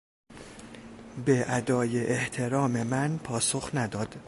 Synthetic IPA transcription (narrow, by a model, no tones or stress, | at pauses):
beʔæd̪ɒːje̞ʔeht̪ʰe̞ɾɒːme̞mænpʰɒːsoxnæd̪ɒːd̪̥